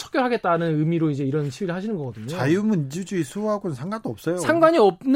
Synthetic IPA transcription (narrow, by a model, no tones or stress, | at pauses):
t͡ɕʰʌk͈oɭɦaɡe̞t͈̚anɯnɯmiɾoid͡ʑe̞iɾʌnɕʰiwiɾɯɭhaɕʰinɯnɡʌɡʌdɯɲt͡ɕoajumɯnd͡ʑud͡ʑuisʰuɦaɡonɯnsʰaŋɡant͈oʌp̚s͈ʌjosʰaŋɡwaɲiʌb̚n